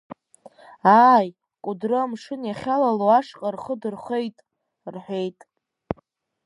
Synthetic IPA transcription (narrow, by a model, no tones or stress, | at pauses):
aːj | kʷʼʊdrɨmʂɨnjaχʲalaloaʂqʼarχədɨrχʷe̞jtʼ | rħʷᶣejtʼ